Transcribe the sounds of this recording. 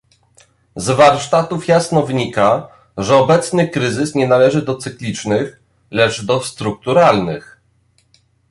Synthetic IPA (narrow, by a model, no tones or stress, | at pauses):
zvaɾʂt̪at̪ufjasnɔvɘɲika | ʐɛɔbɛt̪snɘkɾɘzɘsɲɛnalɛʐɘd̪ɔt̪sɘklʲit͡ʂnɘx | lɛt͡ʂd̪ɔst̪ɾuk̚t̪uɾalnɘx